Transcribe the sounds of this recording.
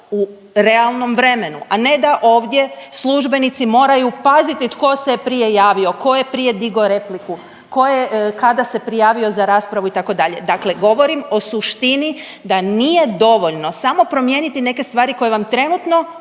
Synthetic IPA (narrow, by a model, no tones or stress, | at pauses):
u | ɾe̞alˠno̞mʋɾe̞me̞nuʔane̞d̪aʔo̞ːʋd̪je̞slˠuʒbe̞nit̪simo̞ːɾajupazit̪it̪ko̞sepɾije̞jaːʋio̞ko̞je̞pɾije̞d̪iɡo̞ɾe̞pliku | ko̞jekad̪ase̞pɾijaːʋio̞zaɾaːspɾaʋuit̪ako̞d̪aʎe̞̰d̪akle̞ɡo̞ʋo̞ɾimo̞suʃt̪ini | d̪anije̞d̪o̞ʋo̞ʎno̞samo̞pɾo̞mje̞nit̪ine̞ke̞st̪ʋaːɾiko̞jeʋamt̪ɾe̞nut̪no̞